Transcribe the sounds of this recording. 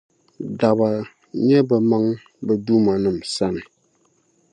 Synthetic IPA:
da˨ba˨ | ɲɛ˦bə˨ma˦ŋ | bə˨du˦ma˨nɨ˨msa˦˨nɨ˨

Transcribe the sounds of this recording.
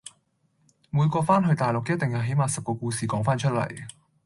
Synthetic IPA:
muː˨˧jkɔː˧faː˥nɦɵ˧ɥt̪aː˨jlʊ˨kːt̚t̪ɪ˨˩ŋjɐ˨˧wɦe˨˥jmaː˨˩sɐ˨p̚kɔː˧kuː˧siː˨kɔː˨˥ŋfaː˥nt͡ʃʰɵ˥lɐ̰˨˩j

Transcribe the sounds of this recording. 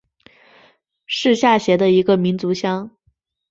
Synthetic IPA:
ʂɻ̩˥˧ɕja˥˩ɕjɛ˧˥d̪ə˧i˧˥ɡə˧mi˧˥nt͡su˧˥ɕjɑ˥ŋ

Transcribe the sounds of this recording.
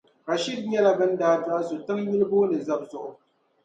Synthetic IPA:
ɣa˨ʃi˦d̚ɲɛ˦la˦bɨ˦n̩˦daː˦da˦ʔzo˨tɨ˦mɲi˦ɾɨ˦bo˦nɨ˨za˦b̚zʊ˨ʔʊ˨

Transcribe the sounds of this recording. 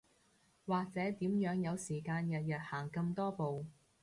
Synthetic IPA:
waː˨k̚t͡sɛː˨˥t̪iː˨˥mjœː˨˥ŋjɐ˨˧wsiː˨˩kaː˧njɐ˨t̚jɐ˨t̚haː˨˩ŋkɐ˧mt̪ɔː˥po˨w

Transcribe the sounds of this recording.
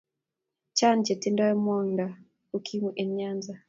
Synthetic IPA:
t͡ʃa˦nt͡ʃɛ˨ti˦ndɔ˦ɛ˦mɔ˦nda˨ | ukʰi˦muʔɛ˨ɲɲanza

